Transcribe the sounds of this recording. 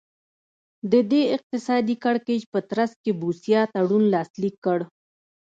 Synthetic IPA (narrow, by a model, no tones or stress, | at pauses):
d̪əd̪eɪq̚t̪ɪsɑd̪ikaɽked͡ʒpət̪ɾaskebusjɑt̪aɽunlɑslikːəɽ